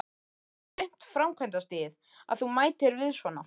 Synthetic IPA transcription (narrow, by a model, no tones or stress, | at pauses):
jŋ̥t̪fɾawmkʰvɛjnt̪ast̪ɪːð | a̰ðθumaːjt̪ɪɾvɪðsvɔːnːa